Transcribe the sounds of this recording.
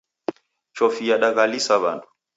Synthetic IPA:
t͡ʃɔfijaɗaɣalisaβa̰ntu̥

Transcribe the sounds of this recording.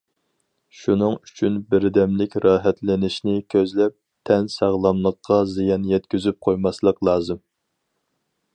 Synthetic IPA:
ʃunɨŋyt͡ʃʰynbɪɾd̪ɛmlɪkʲɾɑːɦɛt̪lɪnɪʃnɪkʲʰøzlɛp̚ | t̪ʰɛnsæʁlˠɑmlˠəqʰːɑzijɑnjɛt̪̚kʲyzyp̚qʰojmɑslˠəqlˠɑːzɨm

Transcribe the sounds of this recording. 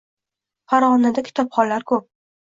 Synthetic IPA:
faɾʁɒnad̪akʲʰɪ̥t̪ʰɒpχɒnlaɾkʰɵp̚

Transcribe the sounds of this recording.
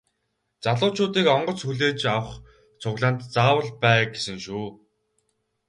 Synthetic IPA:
t͡saɮʊːt͡ɕʰʊːt̪iːkɔɴɢɞ̆t͡sxuɮeːt͡ɕawə̆χ | t͡sʰʊɣɮaːnt̪t͡saːwə̆ɮpæːɡesɘ̆ŋʃuː

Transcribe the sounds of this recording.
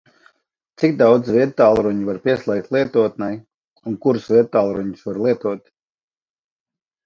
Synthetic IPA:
t̪sikd̪awd̪zviɛd̪t̪aːlˠɾuɲivaɾpʲiɛslˠʲɛk̚t̪ʲlˠiɛt̪uɔt̪̚nɛj | unkuɾsviɛd̪̚t̪aːlˠɾuɲusvaɾlˠiɛt̪uɔt̪

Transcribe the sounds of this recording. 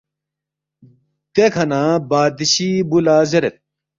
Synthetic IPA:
d̪̥ekʰɐnãːbaːd̪iɕibulaːzɐɾet̪̚

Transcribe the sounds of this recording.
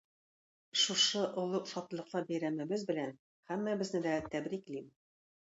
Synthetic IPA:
ʃuʃɤʔŏlˠɤqsɒt̪̆lˠɤ̆qlˠɑbæjɾæmæbɘzbɘ̆læn | hæmːæbɘ̆znɘd̪æt̪æbɾiklim

